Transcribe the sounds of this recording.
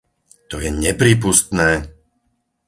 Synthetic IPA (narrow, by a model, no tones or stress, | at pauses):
t̪ɔjɛɲɛpɾiːp̬ust̪nɛː